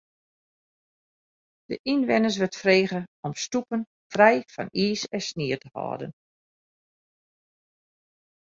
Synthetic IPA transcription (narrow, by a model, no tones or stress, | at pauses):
d̥əʔinʋɪnəs̬ʋətfreːɣəɔmstupən | frɛjfɔ̰niːsɛsnɪətəhɔ̰ːdə̰n